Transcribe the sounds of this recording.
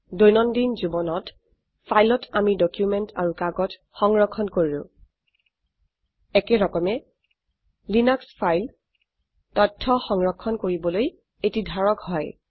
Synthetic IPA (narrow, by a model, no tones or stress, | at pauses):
dojnɔndinzubɔnɔt | pʰajlɔtʰamidɔkjumɛntʰaɹukaɡɔt | xɔŋɹɔkʰːɔnkoɹilʊ̰̃ | ɛkɛɹɔkɔmɛ | linakspʰajl | tɔtʰːɔxɔŋɹɔkʰːɔnkoɹibɔloj | etidʱaɹɔkhɔj